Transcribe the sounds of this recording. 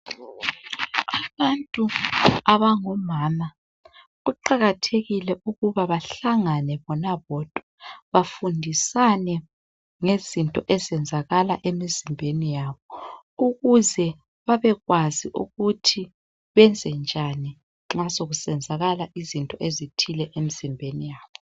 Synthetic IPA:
aβantʼuaβaŋɔmaːma | ɣuǃaɣatʰeɣilɛʔuɣuβaβaɬaŋanɛβɔnaβɔːd̥ʼʱwaβafundʱisanɛ | ŋezintʼɔʔɛzɛnd͡zʱaɣalaʔemizimbʱenijaːβɔ | uɣuzɛ | βaβɛɣwaziʔuɣutʰi | βɛnd͡zʱɛnd͡ʒʱani | ŋ͡ǁasoɣusɛnd͡zʱaɣalaʔizintʼɔʔezitʰilɛʔemizimbʱenijaːβɔ

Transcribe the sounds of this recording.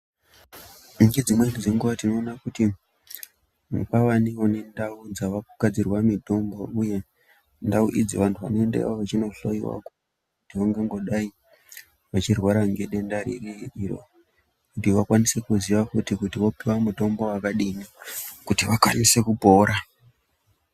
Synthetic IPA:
ŋɡe̞d͡zimwenid͡zeŋɡuʋatino̞ːnakuti | mukaʋanione̞ndaud͡zaʋakukad͡zirwamito̞mbouje̞ | ndauʔid͡ziʋantʰuʋano̞endḛwaʋat͡ʃinoɬo̰iwa̰ko | kutiʋaŋɡeŋɡo̞ɗai | ʋat͡ʃirwaɾaŋɡeɗe̞ndaɾḭriiɾo̞̰ | kutiʋakwanise̞kuziʋafutikutiʋo̞piwamuto̞mbo̞wakaɗinikutiʋakwanise̞kupo̞ːɾa

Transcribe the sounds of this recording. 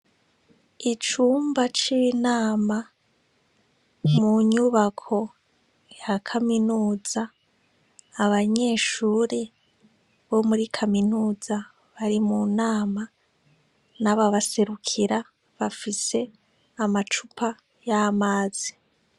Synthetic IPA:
it͡ʃuːmbat͡ʃinaːma | muɲuβakʰo̞ | jakʰaminuːz̥a | βaɲe̞ːʃuːɾe | βo̞muɾikʰaminuːza | βaɾimunaːma | naβaβase̞ɾukʰiɾa | βafise̞ | amat͡ʃupʰa | jamaːzi̥

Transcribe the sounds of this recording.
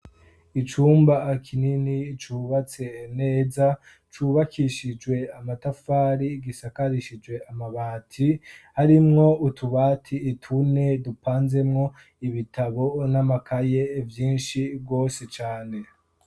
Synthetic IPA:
it͡ʃuːmbakʰininit͡ʃuːβat͡se̞ne̞ːza | t͡ʃuːβakʰiʃid͡ʒwe̞amatafaːɾiɡisakaɾiʃid͡ʒwe̞amaβaːtʰihaɾimŋo̞utʰuβaːtʰiːtʰune̞dupaːnze̞mŋo̞ | iβitʰaβo̞namakʰajevjiːnʃibɡo̞ːset͡ʃaːne̞

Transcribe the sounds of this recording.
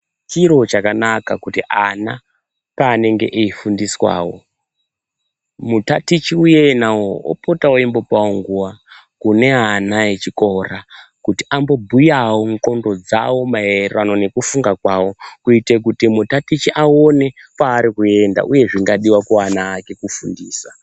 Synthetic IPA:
t͡ʃiɾo̞t͡ʃakanakakutiʔana | paːne̞ŋɡe̞̰ʔeifundiswa̰ːwo̞̰ | mutatit͡ʃiuje̞nawoo̰potawoimbo̞pawoŋɡuwa | kune̞anajet͡ʃiko̞rakutiʔambo̞bʱujawoŋko̞ndo̞d͡za̰wo̞maeranone̞kufuŋɡakwawo̞kuite̞k̬utimutatit͡ʃiʔaone̞kwaːɾikue̞nda̰ʔuje̞ʐiŋɡaɗiwakoanaːke̞kufundiːsa

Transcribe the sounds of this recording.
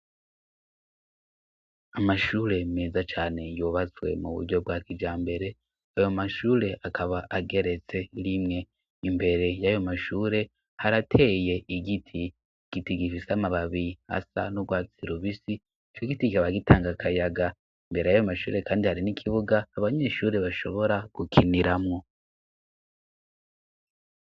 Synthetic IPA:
amaʃuːɾe̞meːzat͡ʃaːne̞joːβat͡swe̞̰mṵβṵdɟo̞b̚ɡwaːkid͡ʒaːmbe̞ɾe̞ | ajo̞maʃuːɾe̞ʔakʰaβaʔaɡe̞ɾe̞t͡se̞ɾimŋe̞ | imbe̞ɾe̞jajo̞maʃuːɾe̞ | haɾatʰe̞ːje̞ʔiɡitʰi | ɡ̥itiɡifisamaβaβiiha̰sa̰noɡwaːt͡siɾuβisi | t͡ʃoɡitikikaβaɡitaːŋɡakʰajaɡa | imbe̞ɾe̞jajo̞maʃṵːɾe̞kaːndihaɾinikʰiβuɡaːβaɲe̞ʃuːɾe̞βaʃo̞̰βo̞ɾaɡ̥ukʰiniɾamŋo̞

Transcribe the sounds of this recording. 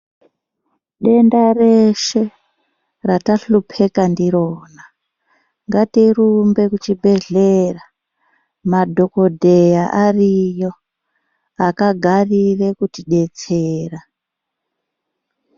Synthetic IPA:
ɗe̞ndareʃe̞ | rataɬupʰe̞kandiɾo̞ːna | ŋɡatirumbe̞kut͡ʃibʱe̞ɮera | madʱo̞ko̞dʱejaʔarijo̞ | akaɡʱarire̞kutiɗe̞t͡seːra

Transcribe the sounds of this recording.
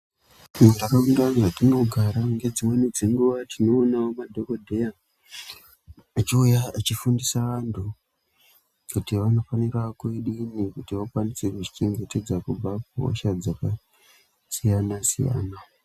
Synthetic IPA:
munakaundanʐatino̞ɡʱaɾaŋɡe̞d͡zimwe̞nid͡zeŋɡuʋatʰino̞ːnaomadʱo̞kodʱe̞ja | at͡ʃiujaːt͡ʃifundisaʋantʰu | kutiʋano̞fanirakueɗinikutiʋakwanise̞kuʐit͡ʃe̞ŋɡe̞te̞d͡zakub͡vakuɦo̰ʃad͡zaka | sijanasḭja̰ːna

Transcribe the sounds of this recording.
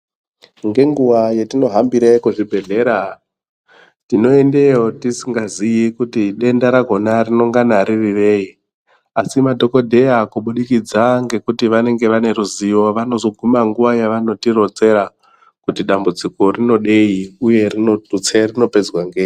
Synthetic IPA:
ŋɡe̞ŋɡuʋajetino̞ɦambiɾaikuʐibʱe̞ɮe̞ɾa | tino̞e̞nde̞jotisiŋɡazijikutiɗe̞ndaɾaɡʱo̞narino̞ŋɡanaɾiriʋe̞i | asimadʱo̞ko̞dʱe̞akuɓuɗikid͡zaŋɡe̞kutiʋane̞ŋɡe̞ʋane̞ɾuzijo̞ʋano̞zo̞ɡʱumaŋɡuʋajaʋano̞tiro̞d͡ze̞ɾa | kutiɗambut͡siko̞rino̞ɗe̞iuje̞rinotut͡serino̞pe̞d͡zwaŋɡeːi

